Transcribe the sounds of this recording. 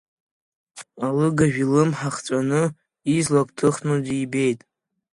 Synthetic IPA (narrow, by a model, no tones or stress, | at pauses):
alɨɡaʒᶣilɨmħaχt͡sʷʼanɨ | izlakʷʼtʰɨχnudijbe̞jtʼ